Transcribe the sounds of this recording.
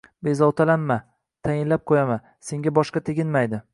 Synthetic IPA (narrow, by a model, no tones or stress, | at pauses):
be̞zɒwˠt̪ʰalanma | t̪ʰajɪnlap̚qʰojama | se̞ŋɡʲabɒʃqɑt̪ʰeɡʲɪnmajd̪ɪ